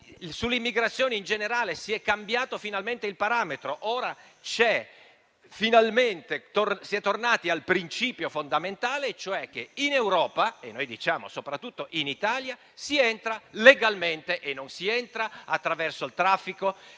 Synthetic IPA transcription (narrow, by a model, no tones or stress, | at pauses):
sulːimːiɡɾat̪sːjoːneind͡ʒeneɾaːlesiɛkːambjaːt̪ofinalment̪eilpaɾaːmet̪ɾoʔoːɾa | t͡ʃɛ | finalment̪et̪orsiɛt̪ːornaːt̪ialpɾint͡ʃiːpjofond̪ament̪aːlet͡ʃoɛk̟ːeinewɾɔːpaenːojd̪it͡ʃaːmo̰sopɾat̪ːut̪ːoʔinit̪aːlja | siɛnt̪ɾaleɡalment̪eʔenːonsiɛnt̪ɾaat̪ːɾavɛrsoilt̪ɾafːiko